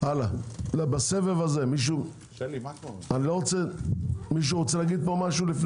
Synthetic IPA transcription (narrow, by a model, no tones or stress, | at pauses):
alalbasevevaze̞miʃ̬u | anilo̞ʁot͡semiʃ̬uʁot͡selaɡid̪̚po̞maʃulifn